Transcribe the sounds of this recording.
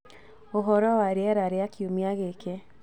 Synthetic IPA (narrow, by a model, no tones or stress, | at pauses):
oɦɔɾɔwaɾeɛɾaɾeakiomiaɣeke